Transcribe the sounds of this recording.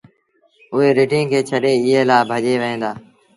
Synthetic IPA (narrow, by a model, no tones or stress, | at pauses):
ʊɦeːɾeːʈĩːkʰeːt͡ʃʰəɗeːɪɦeːlaːbʱəʄeːʋəɦẽːnd̪aː